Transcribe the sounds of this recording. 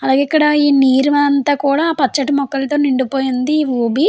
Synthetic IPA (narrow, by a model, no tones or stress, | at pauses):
ɐlaːɡeikːɐɽɐiːniːɾuʋɐɐnt̪aːkuːɽaːpɐt͡ʃːɐʈimɔkːɐlt̪oːniɳɖupo̞ːjind̪iʋuːbi